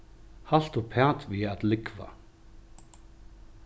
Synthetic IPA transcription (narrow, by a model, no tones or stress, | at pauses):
hal̥t̪ʊpʰɛːt̪viat̪lɪkva̰